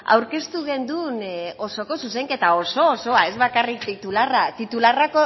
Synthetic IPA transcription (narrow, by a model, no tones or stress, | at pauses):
a̰wɾke̞st̪uɣe̞nd̪uno̞soko̞sus̬e̞ŋke̞t̪ao̞so̞ːso̞ae̞zβakarik̚t̪it̪ularat̪it̪ularako